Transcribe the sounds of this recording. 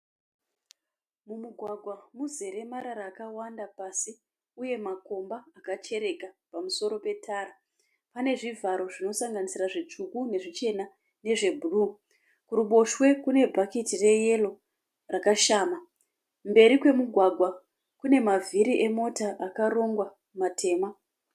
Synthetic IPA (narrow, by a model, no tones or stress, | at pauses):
mumuɡʱwaɡʱwamuze̞ɾe̞maɾaɾaːkawandapaːsi | uje̞mako̞mbaːkat͡ʃe̞ɾe̞kapamuso̞ɾo̞pe̞tʰaːɾa | pane̞ʐivʱaɾo̞ʐino̞saŋɡanisiraʐit͡ʂukune̞ʐit͡ʃe̞na | ne̞ʐe̞bʱuru | kuruɓo̞ʃwe̞kune̞bʱakitire̞je̞lo̞ | rakaʃaːma | mbe̞ɾikwe̞muɡʱwaɡʱwa | kune̞mavʱiɾiʔe̞mo̞taʔakaro̞ŋɡwa | matʰe̞ːma